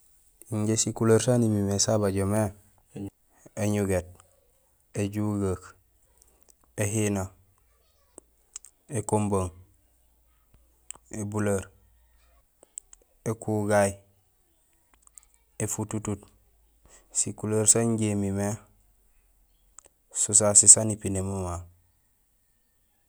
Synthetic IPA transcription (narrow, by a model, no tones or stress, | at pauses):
iɲɟesikulaɾsanimimesabaɟome | eɲuɡet̚ | eɟuɡak | ehina | ekomboŋ | ebulaɾ | ekuɡaji | efututut | sikulaɾsaɲɟemime | sus̬asisanipinemama